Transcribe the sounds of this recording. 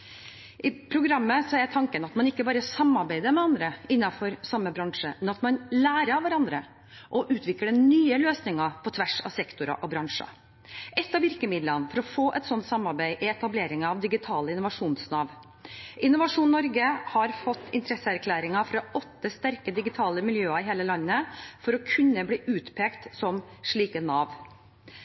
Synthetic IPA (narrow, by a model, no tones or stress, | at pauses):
ʔɪpʰɾʊɡɾɑmːəsɔɛt̪ʰɑŋkənɑt̪mɑnɪkːəbɑːɾəsɑmːɑɾbæɪd̪əmɛɑnd̪ɾəɪnːɑfɔɾsɑmːəbɾɑŋʂəmɛnɑt̪mɑnlæːɾəʋæɾɑnd̪ɾə | ʔɔʔʉːt̪ʰʋɪkːəɖɛnyːəløːsnɪŋɑpʰɔt̪ʰʋæʂɑ̰sɛkt̪ʊɾɑ̰ʔɔbɾɑŋʂɑ̰ | ʔɛt̪ːɑʋɪɾkəmɪd̪lənfɔɾɔfoːʔɛt̪sɔnt̪sɑmːɑɾbæɪʔɪɛt̪ɑbleːɾɪŋəɑʋd̪ɪɡɪt̪ʰɑːləɪnʊʋɑʂuːnsnɑːʋ | ʔɪnːʊʋɑʂuːnnːɔɾɡəhɑɾfɔt̪ːɪnt̪əɾɛsəæɾkʰlæːɾɪŋɑfɾɑɔt̪ːəst̪æɾkəd̪ɪɡɪt̪ʰɑːləmɪljøːɑɪɦeːləlɑnːəfɔɾɔkʰʉnːəbliːʔʉːt̪pʰeːkt̪sɔmʂɭiːkənɑːʋ